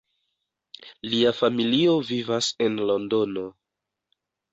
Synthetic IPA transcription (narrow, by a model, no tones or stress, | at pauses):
liafamilio̞vivase̞nlo̞ndo̞no̞